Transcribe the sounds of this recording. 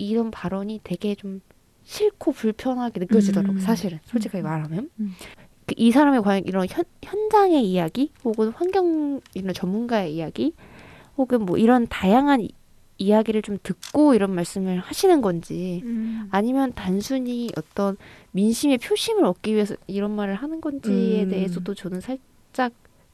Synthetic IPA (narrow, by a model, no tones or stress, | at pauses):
iɾʌnpaɾʌɲitwe̞ɡe̞t͡ɕom | ɕʰiɭkʰopuɭpʰjʌnɦaɡenɯk͈jʌd͡ʑidʌɾaɡosʰaɕʰiɾɯnsʰot͡ɕʰikʰaɡemaɾɦamjʌn | kɯʔisʰaɾamekwajʌŋiɾʌnçjʌnçjʌnd͡ʑaŋe̞ijaɡihoɡɯnɸwanɡjʌŋiɾʌnt͡ɕʌmːunɡae̞ijaɡi | hoɡɯnmwʌʔiɾʌntajaŋɦan | ijaɡiɾɯɭt͡ɕomtɯk̚k͈oiɾʌnmaɭs͈ɯmɯɭhaɕʰinɯnɡʌnd͡ʑi | aɲimjʌntansʰuɲiʔʌt͈ʌnminɕʰime̞pʰjoɕʰimɯɾʌk̚k͈iɥiesʰʌiɾʌnmaɾɯɭhanɯnɡʌnd͡ʑiede̞ɦesʰʌdot͡ɕʌnɯnsʰaɭ | t͡ɕ͈ak̚